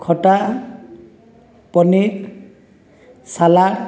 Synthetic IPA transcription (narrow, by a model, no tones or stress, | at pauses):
kʰɔʈa | pɔnik | sala